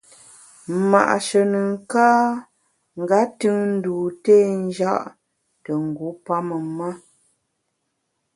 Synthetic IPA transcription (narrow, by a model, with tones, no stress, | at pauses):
ma̰˨ʔʃə˨nə˨ŋ̩˨kaː˦ | ŋ̩˨ɡa˨˦tɨ˦ŋn̩˦duː˨teː˦˨n˦d͡ʒa˦ʔ | tə˨ŋ̩˨ɡu˨˦pa˦mə˨ma˦